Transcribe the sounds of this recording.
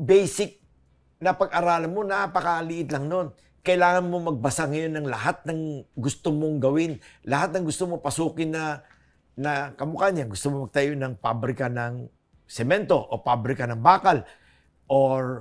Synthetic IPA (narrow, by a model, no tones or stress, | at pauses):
bɛjsɪk̚ | nɐpɐɡʔaɾaːlɐnmo̞napɐkɐlɪʔɪt̪lɐŋno̞n | kɐʔɪlaːŋɐnmo̞mɐɡ̚bɐsaŋɐjo̞nːɐŋlɐɦat̪̚nɐŋɡʊst̪omoŋɡɐwɪnlɐhat̪̚nɐŋɡʊst̪omopɐsuːkɪnːɐ | nɐkɐmʊkaɲɐŋɡʊst̪omomɐɡ̚t̪ɐjonɐŋpabɾɪkanɐŋ | sɛmɛnt̪o̞ʔo̰pabɾɪkɐnɐŋbaːkɐl | ʔoɹ